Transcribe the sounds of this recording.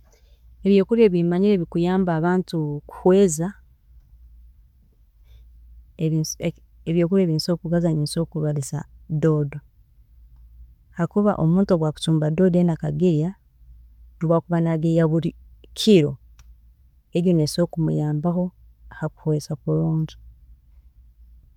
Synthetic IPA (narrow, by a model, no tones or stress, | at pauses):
eβjo̞ːkuɾje̞βimaɲiɾe̞βikujaːmbaːβaːntuku̥hwe̞ːza | eβjo̞ːkuɾe̞ːβiːnso̞ːkuβazaniso̞ːkuβalisa̰do̞ːdo | hakuβa̰ʔo̞muːntuoɡwaku̥tuːmbado̞ːdenakaɡiɾja | ɾuβakuβanaɡejaβuɾikʰiɾo̞ | eɾoneso̞ːkumujaːmbaxo̞ | ahaku̥hwe̞ːzakuloːɲɟi̥